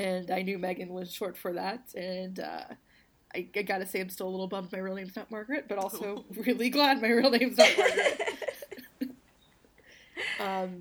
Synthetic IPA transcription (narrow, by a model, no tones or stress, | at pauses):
ɨ̃naɪnjʉmæɡɨ̃nwʌz̥ʃɔɹtfə˞ðæt̚ɨ̃nʌ̰ | ʔa̰ɪaɪɡɑɾɨseɪɨ̃ɪ̃mstɪlˠlɪɾl̩ˠbʌ̃mp̚maɪɹilˠnẽɪ̃mznɑt̚mɑɹɡɹɨt̚b̥ʌɾɔlˠsoʊɹɪlˠiɡlæd̚maɪɹilˠnẽɪ̃mznɑt̚mɑɡɨt | ʌ̃m